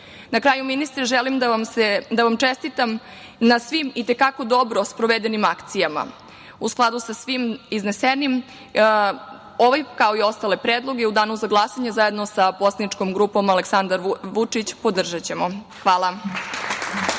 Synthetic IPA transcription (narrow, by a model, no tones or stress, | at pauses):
nakɾaːjuminist̪ɾeʒelimd̪aamsed̪aʋamt͡ʃest̪it̪am | nasʋimit̪e̞kako̞d̪o̞bɾo̞spɾoʋed̪enimakt̪sijama̰ | usklˠad̪usasʋimizne̞senim | oʋajkao̞io̞st̪ale̞pɾeːd̪lˠo̞ɡeud̪aːnuzaɡlˠasaɲezaje̞d̪no̞saposad̪nit͡ʂkomɡɾuːpo̞male̞ksand̪aɾʋut͡ʂit͡ɕpo̞d̪r̩ʒat͡ɕe̞mo | xʋaːlˠa